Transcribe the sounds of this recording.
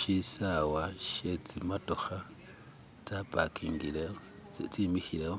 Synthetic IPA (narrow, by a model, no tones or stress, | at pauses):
ʃisawaʃet͡simatoxa | t͡sapa̰kʰiːŋɡileo | t͡simixileho